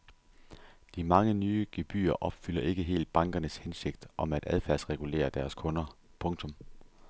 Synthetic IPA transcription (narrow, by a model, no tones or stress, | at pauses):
d̥imɑ̈ŋənyːəɡ̥e̝b̥y̰ːɐʔɒ̽b̥fyl̰ɐʔe̝ɡ̥əɦe̝̰ːld̥̚b̥ɑ̈ŋɡ̥ɐnəshense̝ɡ̥̚d̥ʔɒ̽mæd̥æð̞ˠfæɐ̰sʁɛɡ̥ule̝̰ːɐd̥æɐskʰɔ̽nɐ | pʰɔ̽ŋt͡sʰɔ̽m